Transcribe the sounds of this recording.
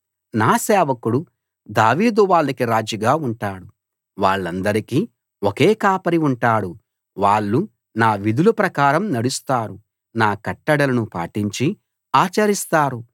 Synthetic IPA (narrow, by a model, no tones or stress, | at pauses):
naːsɛːʋɐkuɽu | d̪aːʋiːd̪uʋaːɭːɐkiɾaːd͡ʒiɡaːuɳʈaːɽu | ʋaːɭːɐnd̪ɐɾikiː | okeːkaːpɐɾiuɳʈaːɽu | ʋaːɭːu | naːʋid̪ulupɾɐkaːɾɐmnɐɽust̪aːɾu | naːkɐʈːɐɽɐlɐnupa̰ːʈiɲt͡ʃi | aːt͡ʃɐɾist̪aːɾu